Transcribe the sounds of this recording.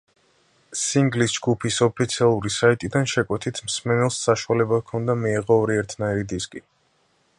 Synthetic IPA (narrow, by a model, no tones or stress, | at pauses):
siŋɡlisd͡ʒɡupʰisɔpʰit̪sʰialˠuɾisait̪ʼid̪anʃɛkʼwɛt̪ʰit̪ʰmsmɛnɛlˠsːaʃualɛbakʰɔnd̪amiiʁɔːɾiɛɾt̪ʰnaɛɾid̪iskʼi